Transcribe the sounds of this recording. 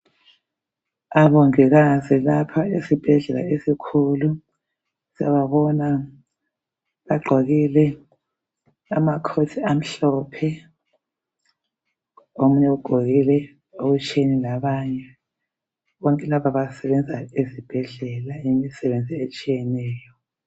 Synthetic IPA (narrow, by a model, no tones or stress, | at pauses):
aβɔŋɛɣazilapʰaesib̥ʱɛɮɛla̰esikʰulu | siaβaβɔna | βaɡ͡ǃʱoɣilɛ | a̰makʰotʰiam̩ɬɔːpʰɛ | omuɲɛuɡ͡ǃ̥ʱoɣilɛ | oɣut͡ʃʼenilaβaɲɛ | βɔŋkʼɛlapʰaβasɛβɛnd͡zʱaezib̥ʱɛɮɛlajimisɛβend͡zʱiet͡ʃʼijɛnɛːjɔ